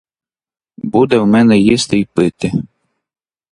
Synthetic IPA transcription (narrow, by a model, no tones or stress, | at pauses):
bud̪ɛwmɛnɛjist̪ɪjpɪt̪ɪ